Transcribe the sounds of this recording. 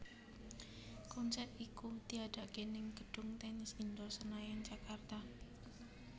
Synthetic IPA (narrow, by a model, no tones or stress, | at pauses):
kɔnsɛt̪ikud̪̥iaɖ̪̥aʔɡ̥enɪŋɡ̥əɖ̥ʊŋt̪ɛnɪsind̪ɔsənajant͡ʃakart̪a